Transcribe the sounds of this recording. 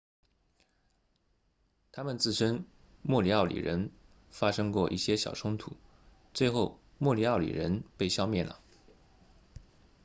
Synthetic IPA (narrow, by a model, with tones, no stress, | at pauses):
t̪ʰa˥mə˨nt͡sɹ̩˥˩ʂə˥n | mwɔ˥˩li˧˥ɑ˥˩ʊlḭ˨˩ɻə˧˥n | fa˥ʂɤ˥ŋkwɔ˥˧ʔi˥˩ɕjɛ˥ɕjɑ̰˨˩ʊʈ͡ʂʰʊ˥ŋt̪ʰu˨˩˦ | t͡swe˥˧ɪxo˥˧ʊ | mwɔ˥˩li˨˧˥ɑ˥˩ʊlḭ˨˩ɻə˧˥npe˥˩ɪɕjɑ˥ʊmjɛ˥˩nlə̰˩